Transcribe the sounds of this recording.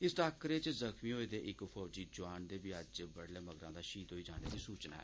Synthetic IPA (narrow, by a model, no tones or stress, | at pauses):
ɪsʈaːkəɾeːt͡ʃzəkmĩːɦoːeːd̪eːʔɪkfʰɔːd͡ʒiːd͡ʒʊaːnd̪eːbiːəd͡ʒbəɽleːməɡɾãːd̪aːʃiːt̪ɦoːiːd͡ʒaːneːd̪iːsuːt͡ʃna̰ːɛ̰ː